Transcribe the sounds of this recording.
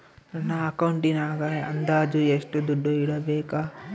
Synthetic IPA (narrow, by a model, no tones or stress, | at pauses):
nɐnːɐɐkɐwɳʈinaːɡɐeɐnd̪aːd͡ʒueʂʈud̪uɖːuiɽɐbeːka